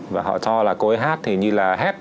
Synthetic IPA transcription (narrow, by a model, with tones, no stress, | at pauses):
vaː˨˩ɦɔ̰˧˨t͡ɕɔ˧laː˨˩ko˨˦jɦaː˦˥t̚t̪ʰi˨˩ɲɨ˧laː˨˩ɦɛ˦˥t̚